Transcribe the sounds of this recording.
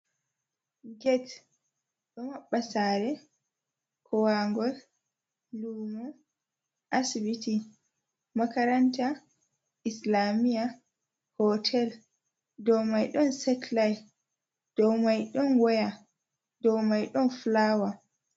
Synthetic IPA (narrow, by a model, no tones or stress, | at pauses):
ɡɛt | ɗɔmaɓːasaːɾɛ | kʰɔwaŋɡɔl | lumɔ | ʔasibiti | makaɾanta | islamija | hɔtʰɛl | dɔwmajɗɔnsɛtlaj | d̥ɔwmajɗɔnwɔja | dɔwmajɗɔnflawa